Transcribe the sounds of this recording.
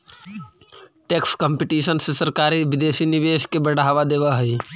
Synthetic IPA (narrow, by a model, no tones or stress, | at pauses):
ʈeːkskə̃mpiʈiːʃənsesəɾkaːɾiʋɪd̪eːsiniʋeːʃkebəɽaːʋad̪eːʋaɦəi